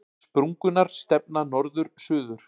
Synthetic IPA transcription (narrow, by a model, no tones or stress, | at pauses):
pɾuŋkʏnːaɾ̥st̪ɛp̚nanɔɾðʏɾ̥sʏːðʏɾ̥